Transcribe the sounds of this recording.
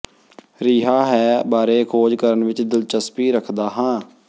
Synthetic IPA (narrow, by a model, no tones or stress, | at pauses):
ɾiːɦaːɦɛːbaːɾeːkʰoːd͡ʒkəɾənʋɪt͡ʃd̪ɪlt͡ʃəspiːɾəkʰd̪aːɦãː